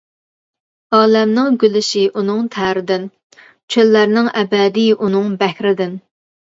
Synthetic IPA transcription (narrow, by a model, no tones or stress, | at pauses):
ɑːlɛmnɪŋɡʲylɪʃiʔunɨŋt̪ʰæːɾɪd̪ɪn | t͡ʃʰølːæɾnɪŋʔɛbɛd̪ijʔunɨŋbɛhɾɪd̪ɪn